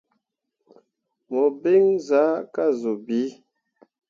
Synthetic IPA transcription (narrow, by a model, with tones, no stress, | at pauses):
mo˨be˦ŋza˨˦ka˦˨zo˨bi˨˦